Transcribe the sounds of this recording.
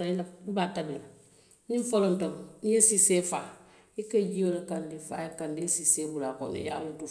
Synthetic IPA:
ailaibatabila | niɱfolontomnijesisefa | ikeɟiolakandifa̰jekandisisebulako̰nḭja̰mutu

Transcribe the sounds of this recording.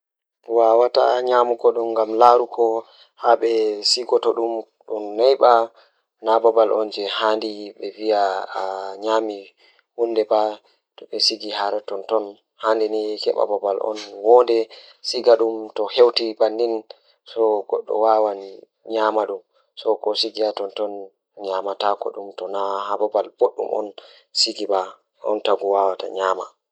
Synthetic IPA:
wawata̰ɲamukɔɗumɡamlaɾukʰɔ | haɓɛsiɡɔtɔɗum | ɗumnajɓa | nabɔbalʔɔ̰nd͡ʒɛhandiɓɛvia | ɲaːmi | hunːdɛba | ɗɔɓɛsiɡihaɾɛtɔntɔn | handinikɛ̰ɓa̰babalʔɔ̰nwɔndɛ | siɡaɗumtɔhewtibanːin | sɔɡɔ̰ɗːɔ̰wawan | ɲamaɗum | sɔkɔsiɡiatɔntɔn | ɲamatakɔ̰ɗumtɔnahababalb̥oɗːṵmʔɔ̰n | siɡiba | ʔɔ̰ntaɡuwawata̰ɲaːma̰

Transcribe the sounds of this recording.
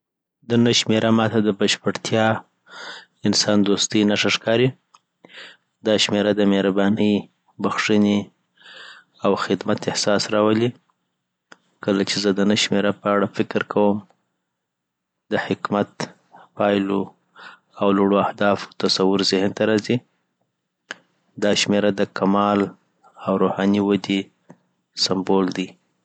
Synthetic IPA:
d̪ənəʃmeɾʔamɑt̪ad̪əbaʃpəɽt̪ʰjɑ | ɪnsɑnd̪ost̪əjnaʂaʂkɑɾi | d̪ɑʃmeɾad̪əmehɾabɑnəj | baxʂəne | awxɪd̪mat̪ɪhsɑsɾɑwəli | kəlat͡ʃezəd̪ənəʃmeɾapəaɽafɪkɾkʰawəm | d̪əhɪkmat̪ | pɑjlo | awloɽoahd̪ɑft̪asawʊɾzɪhnt̪aɾɑzi | d̪ɑʃmeɾad̪əkamɑl | awɾohɑniwad̪e | sambold̪i

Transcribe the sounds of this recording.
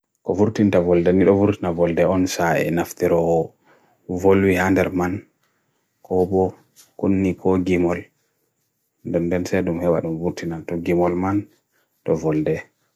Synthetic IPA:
kɔvuɾtintavɔldɛniɗɔvuɾtinavɔldɛɔnsaɛ̰naftiɾɔɔ | volwihandɛɾman | kʰɔbɔ | kunːikʰɔɡimɔl | ndɛndɛnsɛɗumhɛɓa̰ɗumvuɾtinatɔɡimɔlman | tɔvɔldɛ

